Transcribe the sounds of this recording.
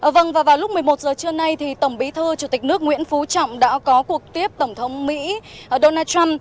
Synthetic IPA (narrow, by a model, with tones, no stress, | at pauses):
ʔvə˧˩ŋvaː˨˩vaː˨˩wlʊ˦˥k͡p̚mɨ˨˩əjmo˨˩t̚zəː˨˩t͡ɕɨ˧əna˧jt̪ʰi˨˩t̪ə˧˩mɓi˨˦t̪ʰɨ˧t͡ɕu˧˩t̪i˨˩k̟̚nɨ˦˥ək̚ŋwḭ˧˥ənfu˨˦t͡ɕɔ̰˧˨wŋ͡mɗa̰ː˧˥kɔ˨˦ku˨˩ək̚t̪i˦˥əp̚t̪ə˧˩ŋ͡mt̪ʰə˨˦wŋ͡mmḭ˧˥˧ɗo˧naː˧t͡ɕa˧m